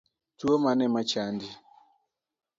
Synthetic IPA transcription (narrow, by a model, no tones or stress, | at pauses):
tuomanɛmat͡ʃandi